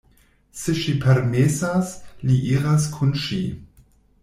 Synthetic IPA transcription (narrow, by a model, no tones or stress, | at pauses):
seʃipʰeɾmesasliʔiɾaskʰunʃi